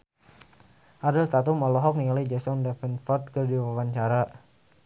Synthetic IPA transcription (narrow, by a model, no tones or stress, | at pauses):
ʔaɾəlt̪at̪umɔlɔɦɔk̚niŋalad͡ʒɛsɔndɛfɛnfɔrt̪̚kərdiwawaɲt͡ʃaɾa